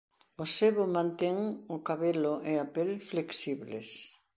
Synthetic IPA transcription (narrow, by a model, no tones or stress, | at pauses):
ʊseβʊmãnt̪eŋʊkaβelʊʔeapelfleksiβles